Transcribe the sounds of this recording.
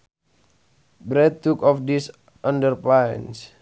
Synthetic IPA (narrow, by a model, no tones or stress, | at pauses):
bɾɛt̪̚ːukɔfdis | ʔandərplajə̰ns